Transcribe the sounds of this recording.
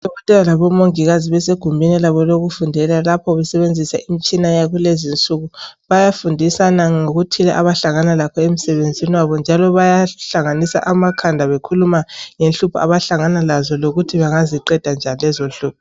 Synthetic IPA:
d̥ʱɔɣɔtʼɛlalaβɔmoŋiɣaziβɛseɡ̥ʱumbʱinilaβɔloɣufundʱɛlalapʰɔβɛsɛβend͡zʱisaʔimit͡ʃʼinajaɣulezint͡sʼuɣuβajafundʱisanaŋoɣutʰila̰ʔaβaɬaŋanalakʰɔem̩sɛβend͡zʱiniwaβɔnd͡ʒʱalɔβajaɬaŋanisa̰ʔamakʰandʱaβekʰulumaŋenɬupʰɔa̰βaɬaŋanalazɔloɣutʰiβaŋaziǃɛd̥ʱand͡ʒʱanilɛzonɬuːp̚ʰɔ̥

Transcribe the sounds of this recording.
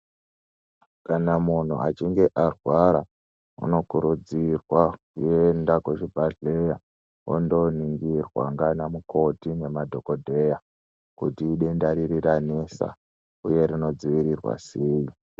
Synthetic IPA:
kanamun̤ṵat͡ʃiŋɡe̞ʔarwaɾa | ṵno̞kuɾud͡zirwakujendakwot͡ʃibʱaɮe̞ja | o̰ndo̞niŋɡirwa̰ŋɡanamukʰo̞tine̞madʱo̞ko̞dʱe̞ja | kutiːɗendaɾiɾiranesa̰ | uje̞ɾino̞d͡ziʋiɾirwa̰seːji

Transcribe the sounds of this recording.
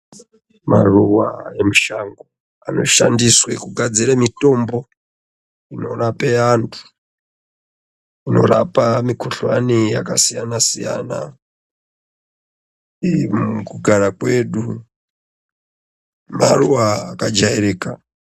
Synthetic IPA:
maruwa̰e̞muʃaŋɡo | a̰no̞̰ʃandiswekuɡʱad͡ziɾemito̞mbo̞ | ino̞rapeantʰu̥ | ino̞̰rapamikʰuɬwanijakasijanasija̰ːna̰ | kuɡʱaɾakwe̞ːɗu | maruwaːkad͡ʒajeɾeːka

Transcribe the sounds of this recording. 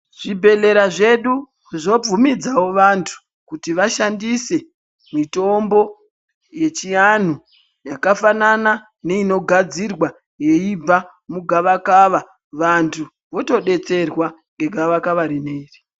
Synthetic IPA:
ʐ̥ibʱe̞le̞ɾaʐe̞ɗu | ʐo̞b͡vumid͡zawo̞ʋantʰu̥ | kutiʋaʃandise̞ | mito̞mbo̞ | je̞t͡ʃijan̤u | jakafanana | ne̞ino̞ɡʱad͡zirwa | je̞ib͡va | muɡʱaʋakaʋa | ʋantʰu | ʋo̞to̞ɗe̞t͡se̞rwa | ŋɡe̞ɡʱaʋakaʋaɾine̞iri

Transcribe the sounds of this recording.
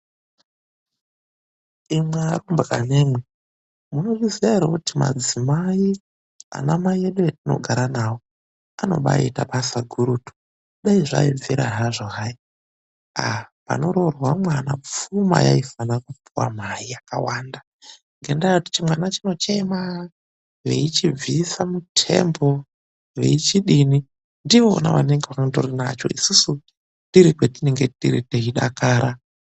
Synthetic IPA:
imwarumbra̰ne̞mwe | muno̞riziaiɾokutima̰d͡zimai | a̰namaieɗujatino̞̰ɡʱaɾanawo | ano̞̰ɓa̰ḭtapasaɡʱuɾutu̥ | ɗaiʐa̰iviɾa̰ɦaʐoɦai | apa̰no̞ɾo̞rwamwanap͡fuma̰ja̰ifanakupiwa̰maijaka̰waːnda | ŋɡendauti̥t͡ʃimwanat͡ʃino̞t͡ʃe̞ma | ʋe̞̰it͡ʃivisamutʰe̞̰mbo̞ | ʋe̞̰it͡ʃiɗini | ndiʋoo̰na̰ʋaneŋɡeʋakdorinat͡ʃo̞̰ʔisusu | ndiɾikwetineŋɡetḭɾiteɦiɗakaːɾa

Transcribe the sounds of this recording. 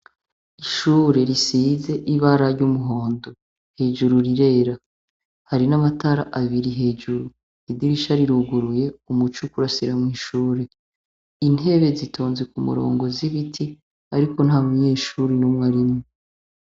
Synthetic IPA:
iʃuːɾe̞ɾisize̞ʔiβaɾaɾɟumuɦo̞ːndo̞ | he̞ːʒuɾuɾiɾe̞ːɾa | haɾinamataɾaʔaβiɾiɦe̞ːʒuɾu | idiɾiʃaɾiɾuɡuɾuje̞umut͡ʃukuɾasiɾamŋwiːʃuːɾe̞ | in̥he̞βe̞zitʰoːnzekumṵɾo̞̰ːŋɡo̞ziβitʰi | aɾiko̞n̥haːmuɲe̞ːʃuɾinumŋaɾimŋe

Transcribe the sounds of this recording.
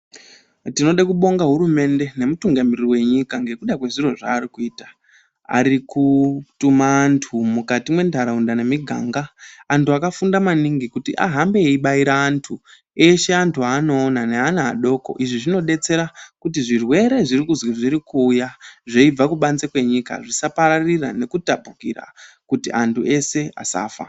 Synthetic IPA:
tino̞ɗakuɓo̞ŋɡaɦuɾume̞nde̞ne̞mutuŋɡamirriwe̞ɲikaŋɡe̞kuɗakwe̞ʐiro̞ʐa̰ːɾikuiːtḁ | a̰ɾikutumaːntʰumukatimwe̞ndʱaɾaundane̞miɡʱa̰ːŋɡaːntuakafundamaniŋɡikutiʔa̰ɦambeeiɓaiɾaːntʰu | e̞ʃe̞antʰuaːno̞ːnaneanaa̰ɗo̞ːko̞̰ʔiʐiʐino̞ɗe̞t͡se̞ɾakutiʐirwe̞ɾe̞ʐirikuzwiʐiɾikuːjaʐe̞ib͡vakuɓanzekwe̞ɲika̰ʐisapaɾarira̰ne̞kutapukira̰ | kutiʔantʰue̞se̞a̰sa̰ːfa̰

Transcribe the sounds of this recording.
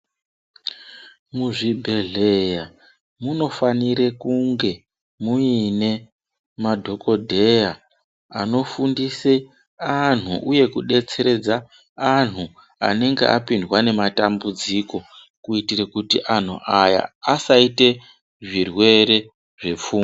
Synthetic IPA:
muʐibʱe̞ɮe̞ja | muno̞faniɾe̞kuŋɡe̞ | muine̞ | madʱo̞ko̞dʱe̞ja | ano̞fundise | an̤uʔuje̞kuɗe̞t͡se̞ɾe̞d͡zaː | n̤u | a̰ne̞ŋɡe̞̰ʔapindwane̞matambud͡ziko̞ | kuitirekutiʔan̤ṵʔaja̰ːsaite̞ | ʐirwe̞ɾe̞ | ʐe̞fuː

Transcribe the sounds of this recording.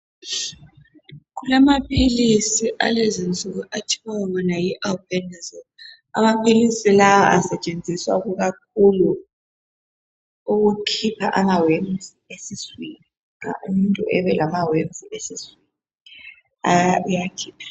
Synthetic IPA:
ɣulamapʰilisiʔa̰lezint͡sʼuɣuʔatʰiwawβɔnajiʔalpɛnas | a̰mapʰilisilawaʔasɛt͡ʃʼend͡zʱiswa̰ɣuɣak̚ʰulu | uɣukʰipʰaʔamawemziesiswini | a̰umuntʼuʔɛβɛlamawemziesiswini | aujakʰiːpʰḁ

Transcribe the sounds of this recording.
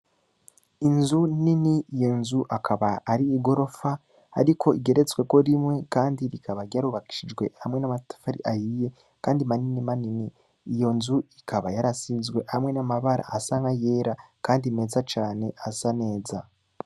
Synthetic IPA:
inzuniniijo̞nzuʔakʰaβaːɾiːɡo̞ɾo̞faː | ɾikʰo̞iɡe̞ɾe̞t͡swe̞ko̞ɾimŋe̞kaːndiɾikaβaɾjaɾuβaki̥ʃid͡ʒɡwe̞̰hamŋe̞namatḁfaɾḭʔajije̞ | kaːndimaninimaniniː | jo̞nzuikʰaβajaɾasizɡwe̞hamŋe̞namaβaɾʔa̰ʔːsaŋɡaje̞ɾakaːndime̞ːzat͡ʃaːne̞asane̞ːza

